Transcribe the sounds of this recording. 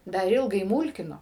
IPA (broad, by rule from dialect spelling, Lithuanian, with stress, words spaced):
ˈdɐr ˈɪlˠɡɐɪ ˈmuːlʲkʲɪnoː